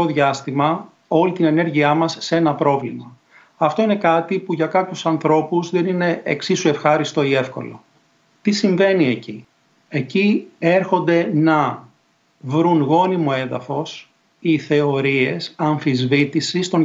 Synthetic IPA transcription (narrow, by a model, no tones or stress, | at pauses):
o̞ðʝɐst̪imɐ | o̞lit̪ine̞ne̞ɾʝiɐmɐsːe̞nɐpɾo̞vlimɐ | ɐft̪o̞ine̞kɐt̪ipuʝɐkɐpçusɐnθɾo̞puzðe̞nine̞ʔeksisue̞fxɐɾist̪o̞ie̞fko̞̰lo̰ | t̪isiɱve̞nie̞ci | e̞cie̞ɾxo̞nd̪e̞nɐ | vɾunɣo̞nimo̞e̞ðɐ̰fo̞s | iθe̞o̞ɾie̞sɐɱfizvit̪isist̪o̞n